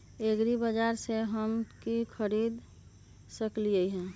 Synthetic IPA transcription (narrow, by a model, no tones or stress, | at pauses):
eɡɾibəd͡ʒaɾseɦəmkikʰəɾiːd̪ | səkliəiɦɛ̃ː